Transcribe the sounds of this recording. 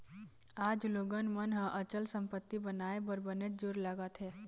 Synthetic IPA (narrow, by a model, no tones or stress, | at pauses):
aːd͡ʒloːɡənmənɦə̃ʔət͡ʃəlsə̃mpət̪ːibənaːebəɾbənet̪̚d͡ʒoɾləɡət̪ɦɛː